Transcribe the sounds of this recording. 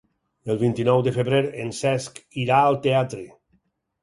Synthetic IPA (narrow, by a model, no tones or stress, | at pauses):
elˠβint̪inɔwd̪efeβɾeɾensɛskiɾaəlˠt̪eat̪ɾe